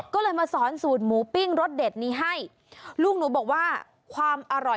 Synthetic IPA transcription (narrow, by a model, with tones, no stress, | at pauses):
kɔː˥˩lɤː˧jmaː˧sɔː˩˦nsuː˨˩t̪̚muː˩˦pi˥˩ŋɾo˦˥t̪̚de˨˩t̪̚niː˨˦˥ɦa˥˩j | luː˥˩k̚nuː˩˦bɔː˨˩k̚waː˥˩ | kʰwaː˧mʔa˧ɾɔ˨˩